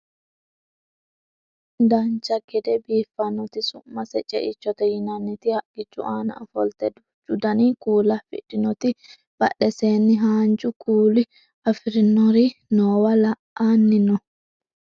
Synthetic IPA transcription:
d̪ɐnt͡ʃːɐɡɛd̪ɛbiːfːɐnːɔt̪ɪsʊmːɐsɛt͡ʃʼɛ̰ʔɪt͡ʃːɔt̪ɛjɪnɐnːɪt̪ɪhɐʔɪt͡ʃːʊ̰ʔaːnɐ̰ʔɐfɔlt̪ɛd̪ʊ | t͡ʃʼʊd̪ɐnikuːlɐfɪ̰ᶑɪnɔt̪ɪ | b̥ɐɗːɛseːnːɪɦaːnt͡ʃʼʊkʰuːlɪ | ɐfɪɾɪnːɔɾinoːwɐlɐ | aːnːɪnɔ

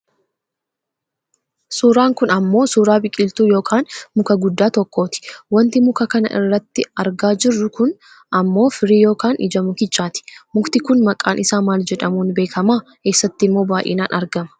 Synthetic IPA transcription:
suːɾaːŋkʊnɐmːo̞ːsuːɾaːbɪkʼːɪlt̪uːjo̞ːkʰaːnmʊkɐɡʊd̪ːaːt̪ɔkːo̞ːt̪ɪ̥wɐnt̪ɪmʊkɐkɐnɐ̰ʔɪ̰rːɐt̪ːɪɐɾɡaːd͡ʒɪrːʊkʊn | ɐmːo̞ːfɪɾiːjo̞ːkaːnʔɪ̰d͡ʒɐmʊkɪt͡ʃːaːt̪ɪ̥mʊkt̪ɪkʊnmɐkʼaːnʔɪsaːmaːld͡ʒɛᶑɐmuːnbe̞ːkʰɐmaːke̞ːsːɐt̪ːɪmːo̞ːbaːʔɪ̰naːnʔɐɾɡɐmɐ̥

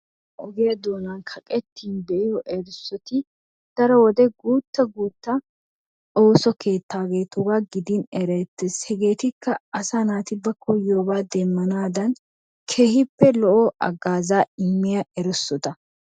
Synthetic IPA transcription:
ʔɔɡeɐd̪oːnankʰɐkʼɛt̪ːiːnbɛʔɪjɔʔɛɾɪsːɔt̪ɪ | d̪̥ɐɾɔwɔd̪ɛɡuːt̪ːɐɡuːt̪ːɐ | oːsɔkʰe̞ːt̪ːaːɡe̞ːt̪ʊɡaːɡɪd̪inɛɾɛt̪ːɛshɛɡe̞ːt̪ɪkʰːɐɐsanaːt̪ɪbɐkʰɔjoːbaːd̪ɛmːɐnaːd̪ɐn | kʰeːhɪpːɛlɔʔɔʔɐ̰ɡaːzaːɪmːɪjɐɛɾɛsːɔt̪ɐ

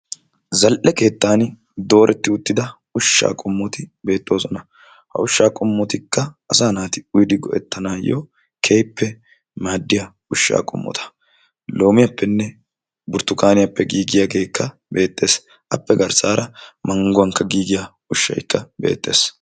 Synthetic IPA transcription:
zɐlʔɛke̞ːt̪ːaːn | d̪o̞ːɾʔɛt̪ːɪʊt̪ːɪd̪ɐ | ʊʃːa̰ːkʼɔmːɔt̪ɪbe̞ːt̪ʼːo̞ːsɔnɐ | hɐ̰ʊʃːaːkʼɔmːɔt̪ɪkːɐɐsaːnaːt̪ɪʊjd̪ɪɡɔʔɛ̰t̪ːɐnaːjo̰ | kʰejpʰːɛ | maːd̪ːɪjɐ | ʊʃːa̰ːkʼɔ̰mːɔ̰t̪ʰɐ̥ | lo̞ːmɪjɐpːɛnːɛ | bʊɾt̪ːʊkaːnɪjɐpːɛɡiːɡɪjaːɡe̞ːkːɐ | be̞ːt̪ʼːe̞ːs | ʔɐpːɛɡɐɾsaːɾʔɐmɐŋɡʊwɐŋkːɐɡiːɡɪja | ʊʃːɐ̰jkːɐbe̞̰ːt̪ʼːe̞̰ːs

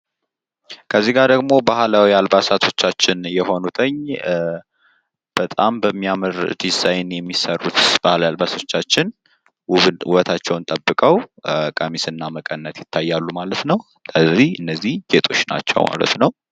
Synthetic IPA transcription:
kʰəzːiɡad̪əɡmo̞bahlawialbasat̪ʰo̞t͡ʃːat͡ʃːɪnjɛho̞nut̪ʰəɲː | b̥ət̪ʼambəmːijamɨɾd̪izajnjɛmːisərːut̪b̥ahlawjalbasot͡ʃːat͡ʃːɪn | wuβət̪ʰat͡ʃːɛwnt̪ʼəbːɨkʼəwkʼəmisɨnːaməkʼənːət̪jɪt̪ʰːajːalːumalət̪nəw | əzihɨnːəzːihɡet̪ʼʰo̞t͡ʃːna̰t͡ʃːɛ̰wma̰lə̰t̪nəw

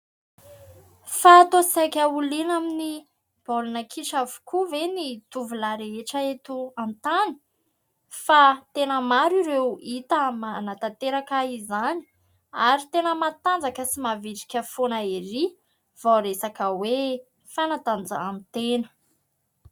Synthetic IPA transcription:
faːt̪osakʲəulinamini | b̥olunəkʰiʃavu̥kʰuvenit̪uvulaɾeeʈ͡ʂəet̪uant̪ani̥ | fat̪enəmaɾiɾewit̪amanat̪at̪eɾakaizani̥ | aɾit̪enəmat̪and͡zakəsimaviʈ͡ʂi̥kʲəfonəeɾi | v̥aɾesakəwe | fanat̪and͡za̰amit̪enə̥

